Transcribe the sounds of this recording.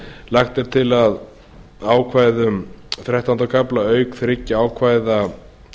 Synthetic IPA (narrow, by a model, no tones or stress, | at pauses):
laxt̪ɛɾ̥t̪ʰɪlað | aːwkʰvaːjðʏmθɾɛht̪ant̪akʰaplaœːɥkθɾɪcːɪaːwkʰvaːjða